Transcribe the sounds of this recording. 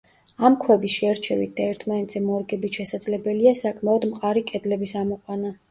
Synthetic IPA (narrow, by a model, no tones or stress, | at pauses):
amkʰwɛbisʃɛɾt͡ʃʰɛvit̪̚d̪̥aɛɾt̪ʰmanɛt̪z̥ɛmɔɾɡɛbit̪ʃɛsad̪zlɛbɛliasakʼmaɔd̪mqʼaɾikʼɛd̪lɛbisamɔqʼwana